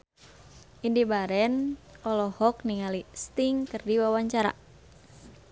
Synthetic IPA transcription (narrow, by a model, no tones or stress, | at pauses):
ʔindibaɾɛnɔlɔhɔkniŋalist̪iŋkɨrdiwawaɲt͡ʃaɾa̰